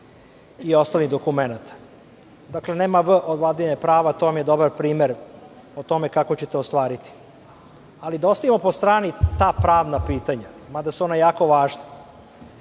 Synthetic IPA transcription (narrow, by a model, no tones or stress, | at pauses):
io̞st̪alnid̪okumenat̪ḁ | d̪akle̞neːmaʋəʔod̪ʋlad̪iɲepɾaːʋat̪o̞ʋamje̞d̪o̞baɾpɾiːmeɾ | ot̪o̞me̞kako̞t͡ɕet̪eost̪ʋaːɾit̪i̥ | alid̪aost̪aʋimopo̞st̪ɾaːnit̪aːpɾaːʋnapiːt̪aɲa | mad̪asuonajaːko̞ʋaːʒna